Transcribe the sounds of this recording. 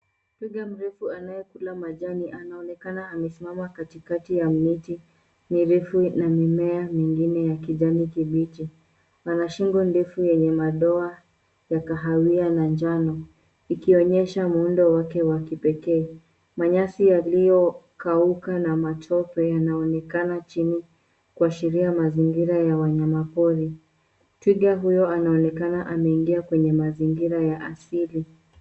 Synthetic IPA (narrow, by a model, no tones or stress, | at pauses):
piɠam̩ɾɛfuanajɛkulamaʄaniʔanaɔnɛkanaːmɛsimamakatikatijamiti | miɾɛfunamimɛamiŋɡinɛjakiʄanikiɓit͡ʃi | anaʃiŋɡɔndɛfujɛɲɛmaɗɔa | jakaɦawianand͡ʒanɔ | ikiɔɲɛʃamundɔwakɛwakipɛkɛː | maɲasijalijɔkaukanamatʰɔpɛjanaɔnɛkanat͡ʃini | kuaʃiɾiamaziŋɡiɾajawaɲamapɔɾi | twiɠaɦujɔanaɔnɛkanaʔamɛiŋɡiakwɛɲɛmaziŋɡiɾajaʔasili